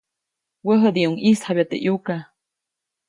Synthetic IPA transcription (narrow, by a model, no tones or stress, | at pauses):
wəɦəd̪iuŋishabjat̪ḛʔjuka